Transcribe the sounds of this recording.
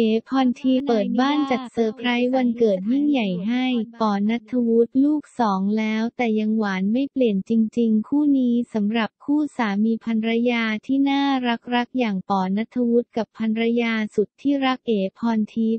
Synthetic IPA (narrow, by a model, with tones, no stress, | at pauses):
ʔeː˩˦pʰɔː˧nt̪ʰiː˧pɤː˨˩t̪̚baː˥˩nt͡ɕa˨˩t̪̚sɤː˧pʰɾa˦˥jwa˧nkɤː˨˩t̪̚ji˥˩ŋja˨˩jɦa˥˩jp̪ɔː˨˩na˦˥t̪ʰːa˧wu˦˥t̪̚luː˥˩k̚sɔː˩˦ŋlɛː˦˥wt̪ɛː˨˩ja˧ŋwaː˩˦nma˥˩jpli˨˩ənt͡ɕi˧ŋt͡ɕi˧ŋkʰuː˥˩niː˦˥sa˩˦mɾa˨˩p̚kʰuː˥˩saː˩˦miː˧pʰa˧nɾa˧˥jaː˧t̪ʰiː˥˩naː˥˩ɾa˦˥k̚ɾa˦˥k̚jaː˨˩ŋp̪ɔː˨˩na˦˥t̪ʰːa˧wu˦˥t̪̚ka˨˩pʰːa˧nɾa˧jaː˧su˨˩t̪ʰːiː˥˩ɾa˦˥k̚ʔeː˩˦pʰɔː˧nt̪ʰiː˧